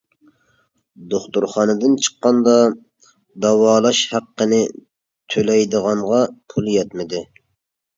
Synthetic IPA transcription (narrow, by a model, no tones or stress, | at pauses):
d̪oχt̪uɾχɑnɨd̪ɪnt͡ʃʰə̥qːɑnd̪ɑ | d̪ɑwɑːlˠɑʃhæqːənɪ | t̪ʰølɛjd̪əʁɑɴʁɑpʰulˠjɛt̪mɪd̪ɪ